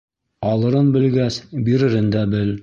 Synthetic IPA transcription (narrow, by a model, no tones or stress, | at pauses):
ɒlˠɤ̆ɾɤnbɘ̆lɡæsbiɾɘ̆ɾɘnd̪æbɘl